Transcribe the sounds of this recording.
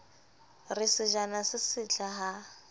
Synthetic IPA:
rɪsɪʒanasɪsɪt͡ɬʰaɦa

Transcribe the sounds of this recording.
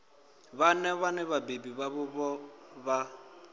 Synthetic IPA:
βanɛβanɛβabebiβaβʊβɔβa

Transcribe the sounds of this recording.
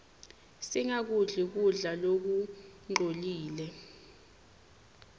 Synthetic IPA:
siŋak̬uɮik̬uɮalok̬uŋ͡ǃʱoliːlɛ

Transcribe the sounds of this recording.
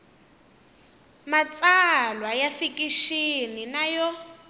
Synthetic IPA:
mat͡sʼalwajafikiʃininajɔ

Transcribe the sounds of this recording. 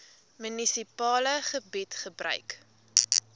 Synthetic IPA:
mənisipɑːləχəbɛtχəbrœ̰ɥk

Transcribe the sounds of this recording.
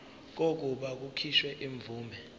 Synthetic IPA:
k̬ok̬uɓak̬ukʰiʃwɛʔiɱvuːmʱɛ

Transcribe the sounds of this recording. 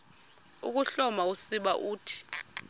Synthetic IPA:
ṵk̬uɬɔmausiɓaʔuːtʰi̥

